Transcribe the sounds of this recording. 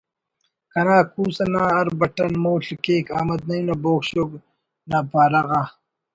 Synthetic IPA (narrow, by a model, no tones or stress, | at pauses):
kɐnaːkuːsɐnaːɐɾbɐʈɐnmoːɬikeːkaːmɐd̪̚nɐjunɐboːkɕoɡ | naːpaːɾɐɣa